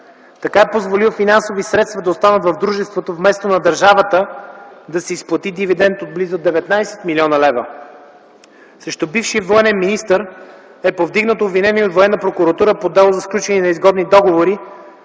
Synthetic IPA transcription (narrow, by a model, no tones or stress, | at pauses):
t̪ɐkaɛpozvolilˠfinansovisɾɛt̪st̪vɐd̪ɐost̪anət̪vɐvd̪ɾuʒɛst̪vot̪ovmɛst̪onɐd̪ɐɾʒavət̪əd̪ɐsɛisplˠɐt̪id̪ivid̪ɛnt̪od̪̚blizod̪ɛvɛt̪najsɛ̥t̪milʲɔnəlɛvə̰ | sɾɛʃt̪obifʃiəvoɛnɛnminist̪əɾ | ɛpovd̪iɡnət̪obvinɛnʲiod̪voɛnːəpɾokuɾɐt̪uɾəpod̪ɛlˠozɐsklʲut͡ʃɛninɐizɡɔd̪nid̪ɔɡovoɾi